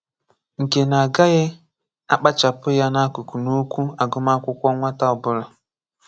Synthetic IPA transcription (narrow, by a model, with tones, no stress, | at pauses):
ŋ̩˨ke˨na˨ɡa˦ɣɪ˦ | a˦k͡pa˦t͡ʃa˨pʊ˦ja˦na˦kʊ˨ku˨nu˦kʷu˦a˨ɡʊ˦ma˦kʷʊ˦kʷɔ˦ŋʷa˦ta˦ʊ˨bʊ˦la˨